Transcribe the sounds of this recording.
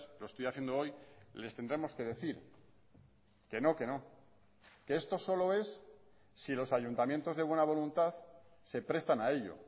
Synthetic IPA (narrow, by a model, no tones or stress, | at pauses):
loest̪ojaθjend̪oo̞jle̞st̪e̞nd̪ɾe̞mo̞ske̞ð̞e̞θiɾ | ke̞no̞ke̞no | keest̪o̞so̞lo̞e̞s | silo̞saʝunt̪amjent̪o̞zðewe̞naβ̞o̞lunt̪aθse̞pɾe̞st̪anae̞ʎo̰